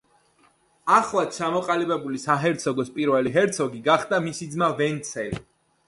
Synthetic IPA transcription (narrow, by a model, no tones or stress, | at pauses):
aχlˠat̪̚t͡ʃʰamɔqʼalibɛbulisaɦɛɾt̪sʰɔɡɔspʼiɾvɛliɦɛɾt̪sʰɔɡiɡaχd̪amisid̪zmavɛnt̪sʰɛli